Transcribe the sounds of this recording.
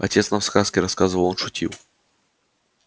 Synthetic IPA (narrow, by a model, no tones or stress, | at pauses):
ɐ̰tʲet̪snɐfskaskʲɪɾɐskazɨvɐlˠonʂʊtʲʰḭlwˠ